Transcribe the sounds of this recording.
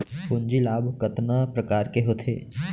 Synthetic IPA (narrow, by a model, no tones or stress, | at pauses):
kʊnd͡ʒilaːbkət̪napɾəkaːɾkeɦot̪ʰḛː